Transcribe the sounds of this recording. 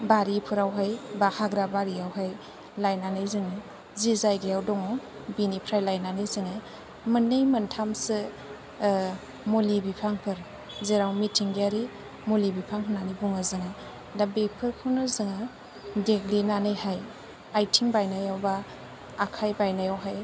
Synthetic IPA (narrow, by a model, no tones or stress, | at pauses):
baɾipʰɯɾawɦajbahaɡɾabaɾiawɦaj | lajnanɯjzɯŋɯ | zizajɡejawdɔŋɔ | binipʰɾajlajnanɯjzɯŋɯ | mɯnːɯjmɯntʰamsɯ | mulibipʰaŋpʰɯɾ | zeɾawmitʰiŋɡiaɾi | mulibipʰaŋpʰɯnanibuŋɯzɯŋa | dabepʰɯɾpʰunɯzɯŋa | deɡlinanɯjhaj | ajtʰiŋbajnajawbaː | kʰajbajnajawɦaj